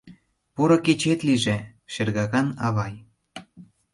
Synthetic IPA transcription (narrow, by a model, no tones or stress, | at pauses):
poɾŏket͡ɕet̪liʒĕʃerɣɑɣɑnɑβɑj